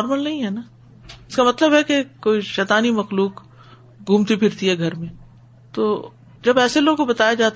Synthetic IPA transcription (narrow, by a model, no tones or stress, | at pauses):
ɾməlnɐɦĩɦɛnaː | ɪskamɐt̪ləbɦɛkekoːiʃɛːt̪aːnimɐxluːk | ɡʱũːmt̪ipʰɪɾt̪iɦɛɡʱɐɾmẽ | t̪o̰ː | d͡ʒɐbɛːseloːɡkobɐt̪aːjad͡ʒaːt̪